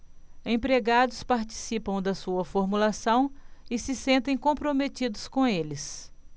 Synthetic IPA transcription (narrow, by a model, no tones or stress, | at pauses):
ẽpɾeɡad̪ʊspaɾt͡ʃi̥sipɐ̃w̃d̪ɐsuɐfoɾmulasɐ̃w̃ɪsɪsẽnt̪ẽj̃kõpɾomet̪id̪ʊskõelɪs